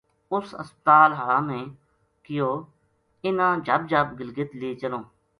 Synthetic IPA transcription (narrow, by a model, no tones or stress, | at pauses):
ʊsə̰spət̪aːlɦəɭãːmẽː | kɪjoː | ɪnãːd͡ʒəb̚d͡ʒʱəbɡɪlɡɪt̪leːt͡ʃəlõː